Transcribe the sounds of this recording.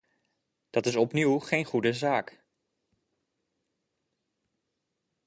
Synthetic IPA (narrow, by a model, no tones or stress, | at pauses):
d̥ɑtɪsɔpniwχejnχudəzaːk